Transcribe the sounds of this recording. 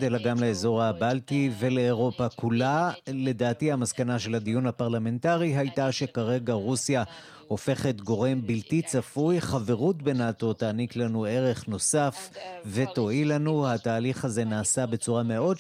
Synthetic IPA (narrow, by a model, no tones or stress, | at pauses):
delaɡamleezo̞ʁhabaltive̞le̞ːʁo̞pakulale̞d̪aːtihamaskanaʃe̞lad̪ijunhapaʁlame̞ntaʁiɦajtaʃe̞kaʁe̞ɡaʁusja | o̞fe̞χe̞tɡo̞ʁe̞mbiltit͡safujχave̞ʁutbenato̞taːniklanue̞ʁe̞χno̞safve̞to̞ilanuhataːliχhaze̞naːsabe̞t͡suʁame̞o̞d